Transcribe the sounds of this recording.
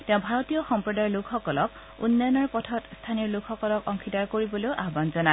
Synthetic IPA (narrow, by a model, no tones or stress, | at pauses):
teʊ̃bʱaɹɔtijɔxɔmpɹɔdajlʊkʰxɔkɔlɔk | ṵnːɔjɔnɔɹpɔtʰɔtstʰaniɔɹlʊkʰxɔkɔlɔkɔŋkʰitaɹkoɹibɔloʊʔaɦbanzɔna